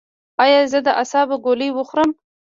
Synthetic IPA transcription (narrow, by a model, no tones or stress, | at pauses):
ɑjɑzəd̪əʔasɑbaɡoləjwʊxɾəm